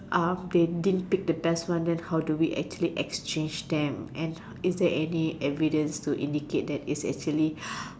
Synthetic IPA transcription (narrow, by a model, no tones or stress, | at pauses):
ʔãmdedidnpik̚dəbɛstwãndɛ̃nhawduwiʔɛ̰k̚t͡ʃuəliʔɛkst͡ʃẽnd͡ʒdɛ̃mʔɛ̃n | isdɛʔɛniʔɛvidə̃nstuʔḭ̃ndiket̚dɛtisɛ̰k̚t͡ʃuəli